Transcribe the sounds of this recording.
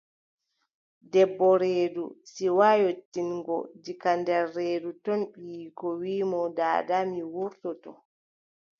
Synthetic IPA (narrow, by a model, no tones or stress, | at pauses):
dɛbːɔɾeːdṵsiwajotːinɡɔ̰d͡ʒikandɛɾːeːdutɔnɓijikɔwiːmɔda̰ːdamiwuɾtɔtɔ